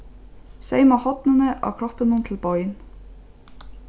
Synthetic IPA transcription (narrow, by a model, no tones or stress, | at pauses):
sæɪmɑhɔt̪nənəʔɑ̰ːkʰɾɔpənunt̪ʰl̩bɔʏn